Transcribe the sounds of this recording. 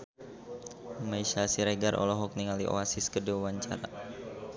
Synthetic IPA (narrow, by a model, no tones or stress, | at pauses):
maiʃasiɾeɡarʔɔ̰lɔɦɔk̚niŋaliʔo̰asiskədiwawaɲt͡ʃa̰ɾa̰